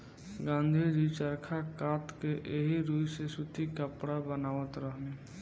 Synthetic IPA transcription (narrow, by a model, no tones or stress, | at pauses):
ɡãːnd̪ʱiɾit͡ʃəɾkʰakaːt̪keʔeɦiɾuːjsesut̪ikəpɽabənaːʋət̪ɾəɦne